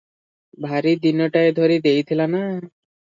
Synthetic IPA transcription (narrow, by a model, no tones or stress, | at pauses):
bʱaɾid̪inoʈaed̪ʱoɾid̪ejt̪ʰilana